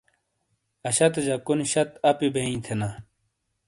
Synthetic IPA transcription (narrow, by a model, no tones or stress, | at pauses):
ɐɕɐt̪d͡ʑɐkunɕɐt̪ɐpibeĩt̪ʰena